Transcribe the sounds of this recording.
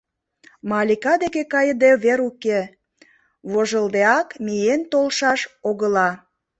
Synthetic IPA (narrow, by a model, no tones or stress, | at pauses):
mɑlʲikɑd̪ekekɑjəd̪eβeɾuke | βoʒəld̪eɑkmient̪olʃɑʃoɣəlɑ